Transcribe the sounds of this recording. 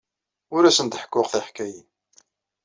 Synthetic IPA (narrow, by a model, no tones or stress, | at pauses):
ʊɾæsənt̪əħə̥kːʊʁθiħkæji